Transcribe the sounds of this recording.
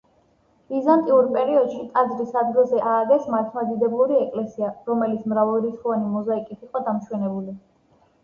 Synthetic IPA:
izant̪ʼiuɾpʼɛɾiɔd̪ʃit̪ʼad̪zɾisad̪ɡilˠzɛʔaːɡɛsmat̪ʰmad̪id̪ɛblˠuɾiɛkʼlɛsiaɾɔmɛlit̪sʰmɾavɛlˠɾit̪sχuvanimɔzaikʼit̪ʰiqʼɔd̪amʃwɛnɛbuli

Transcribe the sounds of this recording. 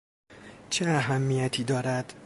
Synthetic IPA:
t͡ʃʰeæɦæmːijæt̪ʰiːd̪ɒːɾæd̪̥

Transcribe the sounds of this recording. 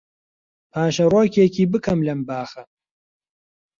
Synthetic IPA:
pʰaːʃɐroːkekʰiːbɨkʰɐmlɐmbaːxɐ

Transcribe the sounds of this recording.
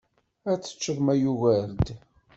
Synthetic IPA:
æt͡sːə̥t͡ʃːəðmæjuɣæɾd̪

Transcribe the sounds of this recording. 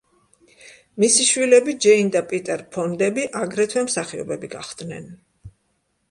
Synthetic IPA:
misiʃwilɛbid͡ʒɛind̪apʼit̪ʼɛɾpʰɔnd̪ɛbiʔaɡɾɛt̪ʰwɛmsaχiɔ̰bɛbiɡa̰χd̪nɛ̰n

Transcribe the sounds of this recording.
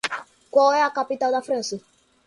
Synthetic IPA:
kʷɔɛakapit̪ald̪afɾɛ̃nsi

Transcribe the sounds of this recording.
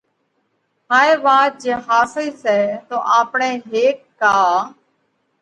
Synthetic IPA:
haːeːʋaːd͡ʒeɦaːsiːsɛːt̪oːʔaːpɳeːɦeːkːaː

